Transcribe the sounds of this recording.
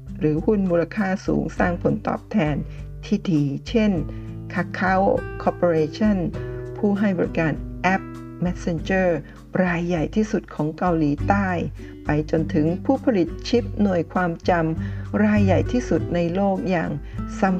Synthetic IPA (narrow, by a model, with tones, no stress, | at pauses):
ɾɯː˩˦hu˥˩nmuː˧la˧kʰaː˥˩sṵː˩˦ŋsaː˥˩ŋpʰo˩˦nt̪ɔ̰ː˨˩p̚t̪ʰɛː˧nt̪ʰiː˥˩diː˧t͡ɕʰe˥˩nkʰa˧˥kʰːa˦˥wkʰɔː˧poː˧ɾeː˧t͡ɕʰa˥˩npʰuː˥˩ɦa˥˩jbɔ˨˧ɾi˦˥kaː˧nʔɛ˦˥p̚ | mɛ˦˥t̪̚se˧nt͡ɕɤː˥˩ | ɾaː˧jːa˨˩jt̪ʰiː˥˩su˨˩t̪̚kʰɔː˩˦ŋka˧wliː˩˦t̪aː˥˩j | pa˧jt͡ɕo˧nt̪ʰɯ˩˦ŋpʰuː˥˩pʰa˧li˨˩t̪̚t͡ɕʰi˦˥p̚nu˨˩əjkʰwaː˧mt͡ɕa˧mɾaː˧jːa˨˩jt̪ʰiː˥˩su˨˩t̪̚na˧jloː˥˩k̚ja̰ː˨˩ŋsa˨˧˦m